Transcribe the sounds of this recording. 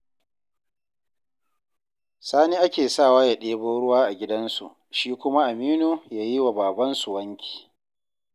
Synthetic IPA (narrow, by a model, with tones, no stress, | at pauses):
saː˦niː˦ʔa˦kʲeː˨saː˦˨waː˦ja˨ɗeː˦boː˦ɽʊ˦waː˦ʔa˨ɡʲɪ˦dɐ˦nsṵ˨ʔ | ʃiː˦kʷʊ˦ma˦ʔa˨miː˦nu˨jaː˦ji˦wa˨baː˨bɐ˦nsu˨wɐ˦ŋkʲʰi̥ː˨